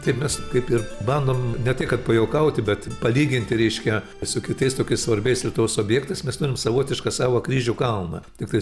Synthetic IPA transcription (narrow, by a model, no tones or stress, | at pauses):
t̪ɐɪpmʲɛskɐɪpɪrbɐnd̪oːmnʲɛt̪ʲɪkɐt̪pɐjɛʊkɐʊt̪ʲɪbʲɛt̪pɐlʲiːɡʲɪnʲt̪ʲɪɾʲɛɪʃʲkʲɛ | sʊkʲɪt̪ɐɪst̪oːkʲɪsʋɐɾʲbʲɛɪslʲit̪uʋosoːbʲjɛːkt̪ɐɪsmʲɛst̪ʊɾʲɪmsɐʋoːt̪ʲɪʃkɑsɑːʋokɾʲiːʒʲukɐlˠmɐ̰t̪ʲɪkt̪ɐɪ